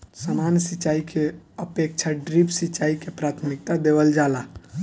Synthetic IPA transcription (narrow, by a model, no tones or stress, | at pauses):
samansit͡ʃːaikʰeəpek̚t͡ʃʰaɖɾipsit͡ʃːaikepɾat̪ʰmik̚t̪ad̪ebəld͡ʒala